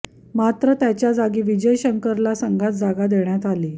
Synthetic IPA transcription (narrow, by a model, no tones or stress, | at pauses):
mat̪ɾət̪jat͡ɕjad͡zaɡiːʋid͡ʑəjɕəŋkəɾlasəŋɡʱat̪̚d͡zaɡad̪eɳjat̪aliː